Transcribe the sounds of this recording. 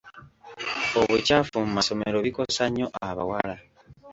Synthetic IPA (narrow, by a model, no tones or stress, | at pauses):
oβucafumumaso̞me̞ɾo̞βiko̞saɲo̞ʔaβa̰wala